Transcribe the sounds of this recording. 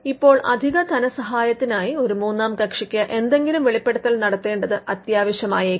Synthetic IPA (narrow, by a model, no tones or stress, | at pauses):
ipːo̞ːɭʔɐ̰d̪ʱiɣɐd̪ʱɐnɐsɐɦaːjɐt̪ːinaːjio̞ɾumuːnːaːmkɐkʂikʲːɐʔe̞nd̪e̞ŋɡilumʋeɭipːe̞ɽut̪ːɐlnɐɽɐt̪ːe̞ːɳɖɐðɨɐt̪jaːʋɐɕjɐmaːjɐ